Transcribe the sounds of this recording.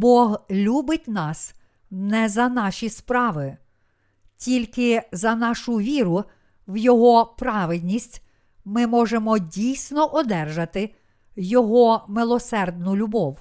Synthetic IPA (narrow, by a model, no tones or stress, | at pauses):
bɔɦlʲubɪtʲnɑs | nɛzɐnɑʃʲispɾɑʋɪ | tʲilʲkɪzɐnɑʃʊʋʲiɾʊ | wjɔɦɔpɾɑʋɪd̪ʲnʲisʲtʲ | mɪmɔʒemɔdʲijsʲnɔʔɔd̪ɛrʒɐt̪ɪ | jɔɦɔmɪlˠɔsɛrd̪̚nʊlʲʊbɔw